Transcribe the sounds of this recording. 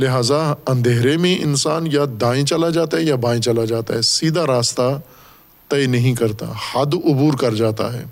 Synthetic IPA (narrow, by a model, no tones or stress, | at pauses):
lɪɦaːzaɐ̃nd̪ʱeːɾemẽʔɪnsaːnjad̪ãːĩt͡ʃɐlad͡ʒaːt̪aɦɛjabãːĩt͡ʃɐlad͡ʒaːt̪aɦɛsiːd̪ʱaɾaːst̪a | t̪ɐjnɐɦĩkɐɾt̪a̰hɐd̪ʊbuːɾkɐɾd͡ʒaːt̪a̰ɦɛ̰ː